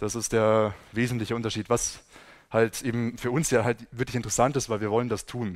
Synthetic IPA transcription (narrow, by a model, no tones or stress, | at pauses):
d̥asɪstd̥eːɐveːzn̩tlɪçəʊntɐʃiːtv̥as | haltʔeːbm̩fyːɐʔʊnsjaːɦaltv̥ɪɐklɪçɪntəʁəsantɪstv̥aɪlviːɐvɔləndastʰuːn